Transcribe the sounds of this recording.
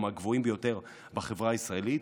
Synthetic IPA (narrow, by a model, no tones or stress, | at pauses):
maɡvoimbejo̞te̞ʁ | baχe̞vʁaːisʁaelit